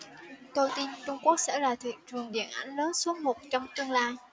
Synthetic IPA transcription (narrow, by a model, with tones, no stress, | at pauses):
t̪o˧jt̪i˧nt͡ɕʊ˧ŋ͡mku˦˥ək̚sɛ̰˧˥laː˨˩t̪ʰḭ˧˨əŋt͡ɕwɨ˨˩əŋɗḭ˧˩ənʔa˧˩jŋ̟ləː˨˦nsu˨˦mo˨˩t̚t͡ɕɔ˧wŋ͡mt̪ɨ˧əŋlaː˧j